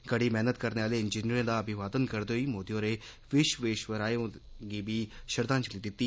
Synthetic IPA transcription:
ɡəɽiːmɛɦnət̪kəɾneːaːleːɪnd͡ʒiːniɾãːd̪aːəbʱɪʋaːd̪ənkəɾd̪eːɦoiːmoːd̪ijõːɾeː | ʋɪʃʋeːʃʋəɾaːõɡiːbiːʃəɾd̪ãːt͡ʃəliːd̪ɪt̪ːiː

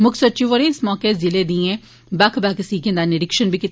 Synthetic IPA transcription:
mʊkʰsət͡ʃiʋəɾẽːɪsmɔːkeːzɪleːd̪ĩɛ̃ː | bakʰbaksiːɡẽnd̪aːneɖɪkʃənbiːkɪt̪

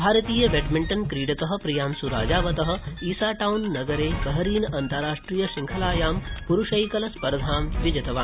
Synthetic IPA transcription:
bʱaːɾɐt̪iːjɐʋeʈmiɳʈɐnkɾiːɽɐkɐɦɐ̆pɾijaːmsuɾa̰ːd͡ʒaːʋɐt̪ɐɦɐ̆iːsaːʈawnːɐɡɐɾeːbɐɦɐɾiːnʔɐnt̪ɐɾaːʂʈɾiːjɐʃiŋkʰɐlaːjaːmpuɾuʃɐjkɐlɐspɐɾd̪ʱaːmʋid͡ʒɐt̪ɐʋaː

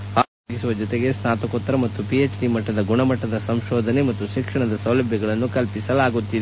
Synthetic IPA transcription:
aːɾoːɡisuʋɐd͡ʒɔt̪eɡe̞snaːt̪ɐkot̪ːɐɾɐmɐt̪ːupiet͡ʃɖimɐʈːɐd̪ɐɡuɳɐmɐʈːɐd̪ɐsɐmʃɔːd̪ʱɐne̞mɐt̪ːuʃikʂɐɳɐd̪ɐsɐwlɐbʱjɐɡɐɭɐnːukɐlpisɐlaːɡut̪ːid̪e

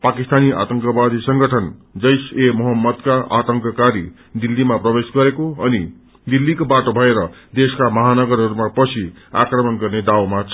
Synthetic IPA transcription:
pakist̪aniʔa̰t̪ʌŋkʌbad̪isʌŋɡʌʈʰʌnd͡zʌjsemʌɦʌmːʌd̪kaʔat̪ʌŋkʌkaɾi | d̪ilːimaprʌbesɡʌɾekoʌni | d̪ilːikobaʈobʱʌeɾʌd̪eskamʌɦanʌɡʌɾɦʌɾumapʌt͡sʰi | a̰krʌmʌnɡʌrned̪awmat͡sʰ

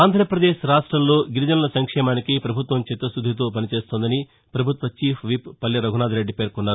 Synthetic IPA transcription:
aːnd̪ʱɾɐpɾɐd̪eːʃɾaːʂʈɾɐmlo̞ːɡiɾid͡ʒɐnɐlɐsɐŋkʂɛːmaːnikipɾɐbʱut̪ʋɐmt͡ʃit̪ːɾɐsud̪ʱːit̪̬oːp̬ɐnit͡ʃe̞ːst̪oːnd̪ɐni | pɾɐbʱut̪ʋɐt͡ʃiːpʰʋipːɐlːɐɾɐɡʱunaːd̪ɾe̞ɖːipe̞ːɾkunːaːɾu

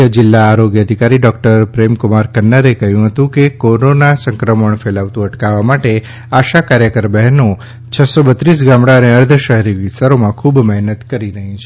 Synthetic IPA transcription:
əd͡ʒɪlːaːɾoɡjəəd̪ʱikaɾiɖɔkʈəɾpɾemkʊmaɾkənːəɾekəɦjũɦət̪ũkekoɾonasə̃ŋkɾəməɳfelaʋt̪ũəʈkaʋamaʈe | aʃakaɾjəkəɾbɛɦno | t͡ʃʰəsobət̪ɾis̬ɡãmɽaəneəɾd̪ʱəʃəɦɛɾiʋɪst̪aɾomãkʰubmɛɦnət̪kəɾiɾəɦĩt͡ʃʰe

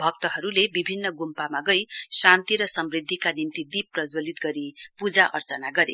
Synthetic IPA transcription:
bʱʌk̚t̪ʌɦʌɾulebibʱinːʌɡumpamaɡʌjsant̪iɾʌsʌmrid̪ʱːikanimt̪id̪ipːrʌd͡zwʌlit̪̚ɡʌɾipud͡zaʔʌrt͡sʌnaɡʌɾḛ

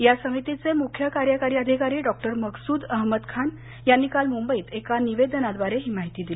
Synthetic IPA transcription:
jasə̃it̪it͡semukʰjəkaɾjəkaɾjiəd̪ʱikaɾiːɖɔk̚ʈəɾməɡsuːd̪əɦməd̪kʰan | janːiːkalmumbəiːt̪ekaniʋed̪ənad̪ʋaɾeɦiːmaɦit̪iːd̪il

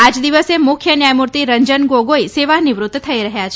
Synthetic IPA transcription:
ad͡ʒd̪iʋəsemʊkʰjənjajmuɾt̪iɾəɲd͡ʒənɡoɡoiseʋaniʋɾut̪ːt̪ʰəiɾəɦjat͡ʃʰ

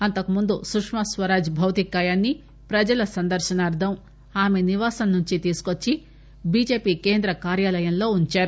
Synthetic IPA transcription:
ɐnt̪ɐkumund̪usukʂmɐsʋɐɾaːd͡ʒbʱɐwt̪ikaːjaːnːi | pɾɐd͡ʒɐlɐsɐnd̪ɐɾʃɐnɐːɾd̪ʱɐm | aːmeniʋaːsɐmːuɲt͡ʃit̪iːsu̥kot͡ʃːi | biːd͡ʒe̞ːpiːke̞ːnd̪ɾɐkaːɾjaːlɐjɐmlo̞ːuɲt͡ʃaːɾu

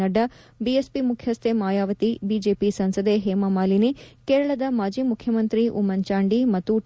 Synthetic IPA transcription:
ɐɖːɐ | biespimukʰjɐst̪ʰemaːjaːʋɐt̪ibiːd͡ʒeːpisɐnsɐd̪eɦeːmɐmaːlinekeːɾɐɭɐd̪ɐmaːd͡ʒiːmukʰjɐmɐnt̪ɾiʔṵmɐnt͡ʃaːɳɖimɐt̪ːuʈ

